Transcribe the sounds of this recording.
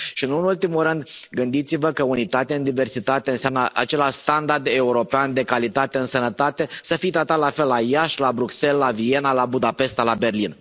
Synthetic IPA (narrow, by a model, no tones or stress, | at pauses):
ʃiɨnunult̪imulɾɨnd̪ɡɨnd̪it̪sivəkəunit̪at̪eaɨnd̪ive̞rsit̪at̪e̞ɨnseamnəʔat͡ʃe̞laʃst̪and̪ard̪e̞uɾo̞peand̪e̞kalit̪at̪e̞ɨnsənət̪at̪e̞səfit̪ɾat̪at̪lafe̞lːajaʃlabɾukse̞lːavie̞nalabud̪ape̞st̪labe̞rlin